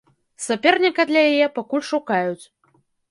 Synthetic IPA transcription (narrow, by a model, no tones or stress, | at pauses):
sapʲɛrnʲikɐd̪lʲɐjajɛpakulʲʂukajut͡sʲ